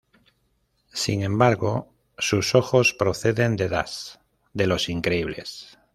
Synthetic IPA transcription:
sḭŋẽ̞mbaɾɣo | suso̞xo̞spɾo̞θe̞ðe̞nd̪e̞ða̰s | d̪e̞lo̞siŋkɾe̞iβle̞̰s

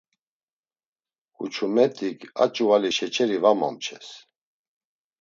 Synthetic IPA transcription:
kʼut͡ʃʰumɛt̪ʼikʰa̰t͡ʃʼualiʃɛt͡ʃʰɛɾivama̰mt͡ʃʰɛs

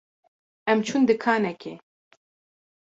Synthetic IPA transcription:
ɛmt͡ʃʰund̪ɨkʰaːnɛkʰe

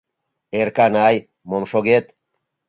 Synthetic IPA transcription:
eɾkanaj | momʃoɣet̪

